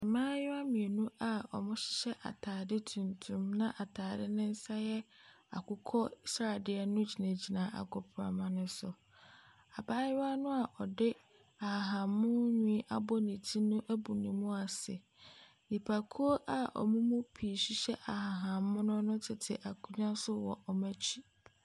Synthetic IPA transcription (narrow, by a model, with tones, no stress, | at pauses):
ɛ˨mãː˦jɪ˦wa˦mĩ˨e˨nũ˦a˦˨ɔ̰˨mʊ̃˦ɕɪ̥˦ɕɛ˦ʔa̰˨tʰaː˨dɪ˦tʰũ˨ntʰũ˨mnã˦ʔa˨tʰaː˨dɪ˦nɪ̃˦n̩˦sa˦jɛ˦ | a̰˨kʊ˦kʰɔ˦sa˨dɪ˦ɛ˦nʊ̃˦d͡ʑi˨nã˨d͡ʑi˨nã˨ʔa̰˨kʰɔ˨pʰɾa̰˨mã˦nʊ̃˦sʊ˨ | a˨baː˦jɪ˦a˦nʊ̃˦a˨ʔɔ˨dɪ˦ | a˨a˨ɦã˨mːʊ̃˦ɲĩ˦ʔa˨bɔ˦nĩ˨tʰi˦nʊ̃˦ʔæ˦bu˨nĩ˨mũ˦a˨sɛ˨ | nĩ˨pʰa˨kʰu˦o˦ʔa˨ʔɔ̰˨mũ˦mũ˦pʰi˨ɕᶣi˦ɕɛ˦ʔa˨ha˨ɦã˨˦mʊ̃˦nʊ̃˦nʊ̃˦tʰɪ˨tʰɪ̰˨ʔa˨kʰu˦ɲᶣã˦sʊ˦wɔ̰˨ʔɔ˨mæ˦t͡ɕʰi˦